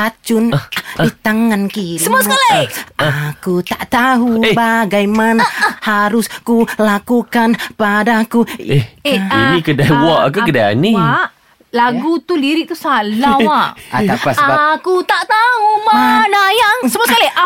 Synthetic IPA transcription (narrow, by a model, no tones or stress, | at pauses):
at͡ʃʊndit̪aŋankisɾəmsalaʔakut̪aʔt̪aɦubaɡajmanhaɾʊskulakukanpadakueinĩkədawaʔakukədaa̰niaʔ | laɡut̪uliɾɪʔt̪usalawaad̪apasaakut̪aʔt̪aɦumanajaŋsəmaskala